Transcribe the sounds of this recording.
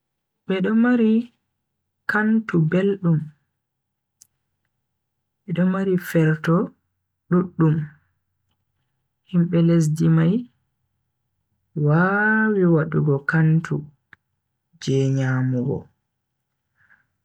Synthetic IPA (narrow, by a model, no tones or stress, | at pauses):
ɓɛɗɔmaɾi | kantubelɗum | ɓɛɗɔmaɾifɛɾtɔ | ɗuɗːum | himɓɛles̬dimaj | wawiwaɗuɡɔkantʰu | d͡ʒɛːɲaːmuɡɔ̰